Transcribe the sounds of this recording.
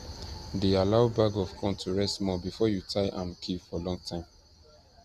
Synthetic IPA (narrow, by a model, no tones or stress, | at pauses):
dealaʊbaɡɔv̥kʰɔ̃ntʰuɹɛstmɔbifɔjutʰaɪʔãmkʰifɔlɔ̃ŋtʰãɪ̃m